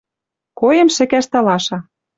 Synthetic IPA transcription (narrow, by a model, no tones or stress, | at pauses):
kojĕmʃɘ̆kæʃt̪ɑlɑʃɑ